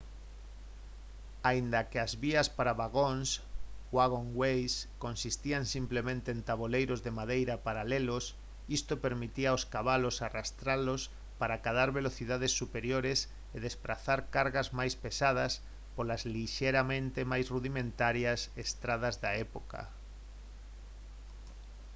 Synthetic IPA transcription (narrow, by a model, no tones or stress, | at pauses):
aind̪akeazβiaspaɾaβaɣonswaɣoŋɡwejskonsist̪iaŋsimplemẽnt̪eːnt̪aβolejɾozðemaðejɾapaɾalelos | ist̪opeɾmit̪iaoskaβalosarast̪ɾalos | paɾakaðaɾβeloθiðað̞esːupeɾjoɾes | eðespɾaθaɾkaɾɣazmajspesað̞as | polazliʃeɾamẽnt̪emajsruðimẽnt̪aɾjasest̪ɾað̞azðaɛpoka̰